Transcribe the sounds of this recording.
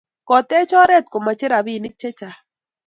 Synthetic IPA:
kɔ˨t̪ɛ˦t͡ʃɔ˦ɾɛ˦˨t̪̚ko˨ma˨t͡ʃɪ˦ɾa˨bi˦˨nɪ˦k̚t͡ʃɛ˦t͡ʃa˨

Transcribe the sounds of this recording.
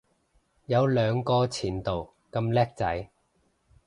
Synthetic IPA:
jɐ˨˧wlœː˨˧ŋkɔː˧t͡sʰiː˨˩nt̪o˨w | kɐ˧mlɛː˥k̚t͡sɐ˨˥j

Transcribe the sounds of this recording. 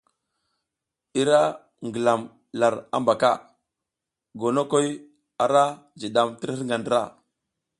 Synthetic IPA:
i˦ɾa˦ | ŋɡə˨la˨m | la˨ɾa̰˦mba˨ka̰˦˨ | ɡo˨no˦ko˦j | a˨ɾa˦ | d͡ʒi˨ɗa˨mti˦ɾə˦ŋɡa˨ndɾa˦˨

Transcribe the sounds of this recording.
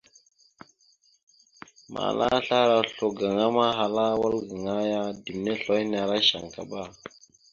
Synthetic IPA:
mʔa̰˨la̰˦ɬa˦ɾa˨ɬo˨ɡa˨ŋa˦ma˦ɦa˨la˦wa˦lɡa˨ŋa˦ja˦di˨mne˦ɬo˨˦jn˨a˨ɾa˦ʃa̰˨ŋka̰˨ɓa˦˨

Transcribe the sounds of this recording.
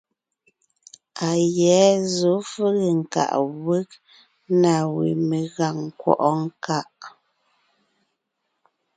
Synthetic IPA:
a˨jɛ˨˦zo˨˦fə˦ɣe˨ŋ̩˨ka̰˨ʔwə˦k̚ | na˨wḭ˨me˨ɣa˨ŋ˨kwɔ̰˨ʔɔ˦ŋ˦ka˦ʔ

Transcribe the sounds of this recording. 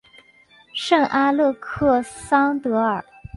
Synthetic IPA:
ʂɤ˥˩ŋʔa˥lɤ˥˧kʰɤ˥˩sɑ˥ŋt̪ɤ˧˥ə˞˨˩˦

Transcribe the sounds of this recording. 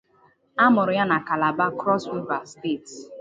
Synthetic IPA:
a˦mʊ˨ɾʊ˨ja˦na˨ka˨la˨ba˦kɾɔ˦su˦va˨ste˦˨t

